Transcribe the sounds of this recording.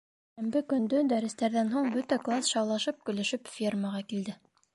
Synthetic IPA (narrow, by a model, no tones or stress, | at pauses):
ʃæmbɘkɵ̆nd̪ɵd̪æɾɘ̆st̪æɾðænɦuɴbɵt̪æklˠasʃɑwlˠɑʃɤp̚kɵ̆læʃɘpfʲirməʁɑkild̪ɘ